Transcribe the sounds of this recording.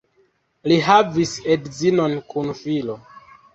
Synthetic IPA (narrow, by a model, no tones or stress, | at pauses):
liɦavisedzinonkunfilo